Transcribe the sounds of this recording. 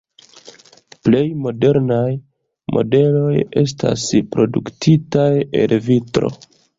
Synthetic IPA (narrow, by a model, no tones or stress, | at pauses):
ple̞jmo̞de̞ɾnaj | mo̞̰de̞lo̞je̞s̬ta̰spɾo̞duktʰitaje̞̰lvitɾo̞̰